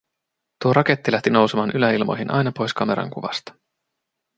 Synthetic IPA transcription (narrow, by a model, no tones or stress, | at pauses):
t̪uoɾɑke̞t̪ːilæht̪ino̞wsemɑːnʔylæilmo̞̰jɦinʔɑ̰jnɑpo̞jskɑme̞̰ɾɑ̰ŋkuʋɑ̰st̪ɑ̥